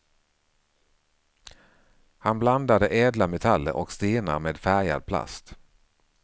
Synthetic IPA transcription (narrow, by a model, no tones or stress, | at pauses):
hanbland̪ad̪əʔeːd̪lamɛt̪ʰalːə̰ɾʔɔkst̪eːna̰ɾmeːd̪fæɾja̰d̪̚pʰla̰st̪